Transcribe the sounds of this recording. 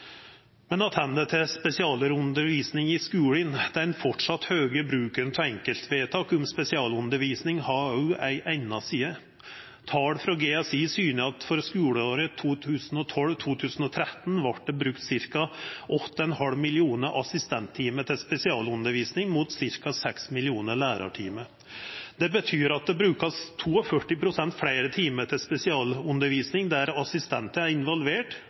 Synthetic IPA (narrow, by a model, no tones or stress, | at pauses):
mɛnɑt̪hɛnːət̪ʰɛspɛsɪɑːləɾʉnd̪əɾʋiːsnɪŋɪskʉːɽɪnd̪̥ɛnfɔʈʂɑt̪høːɡəbɾʉːkənt̪ʰɔɛŋkəlt̪ʰʋeːt̪ʰɑːkʊmspɛsɪɑːlʉnd̪əɾʋiːsnɪŋhɑːæɪʔæɪnɑsiːə | t̪ʰɑːɽfɾɑɡeːɑsiːsyːnəɑt̪fɔɾskʉːɽəoːɾət̪ʰuːt̪ʰʉːsn̩ɔt̪ʰɔlʋt̪ʰuːt̪ʰʉːsn̩ɔt̪ʰɾɛt̪ːn̩ʋɑʈ̚ɖ̪ɛbɾʉkt̪sɪɾkɑʔɔt̪ːəɛnhɑlmɪlɪuːnəʔɑsɪst̪ɛnt̪ʰːiːməʈ̪ʰɪlspɛsɪɑːlʉnd̪əɾʋiːsnɪŋmuːt̪sɪɾkɑsɛksmɪlɪuːnəɭæːɾɑ̰ʈʰiːmə | d̪̥ɛbət̪ʰyːɾɑt̪̚d̪ɛbɾʉːkɑst̪ʰuːɔfœʈːɪpʰɾʊsɛnt̪fɽeɪɾət̪ʰiːməʈ̪ʰɪlspɛsɪɑːlʉnd̪əɾʋiːsnɪŋd̪æɾɑsɪst̪ɛnt̪əæɾɪnʋɔlʋeːʈ